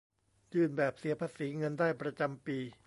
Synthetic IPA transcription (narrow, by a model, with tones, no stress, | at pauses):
jɯː˥˩nbɛː˨˩p̚si˩˦ɐpʰaː˧siː˩˦ŋɤ˧ndaː˥˩jpɾa˧t͡ɕa˧mpiː˧